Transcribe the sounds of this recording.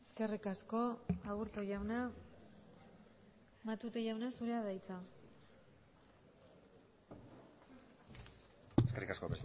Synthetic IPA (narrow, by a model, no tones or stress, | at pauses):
eske̞rikasko̞aɣuɾt̪oʝawna | mat̪ut̪eʝawnasuɾeaðajt͡sa | eskerikasko̞pɾesi